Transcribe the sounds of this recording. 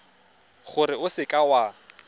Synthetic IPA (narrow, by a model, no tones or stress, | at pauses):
χʊɾɪʊsɪkʼawa